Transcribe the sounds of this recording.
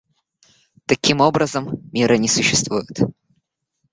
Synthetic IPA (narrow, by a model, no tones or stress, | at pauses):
t̪ɐkʲimo̞bɾəzəmmʲiɾənʲɪsʊɕːɪst̪vujɪt̪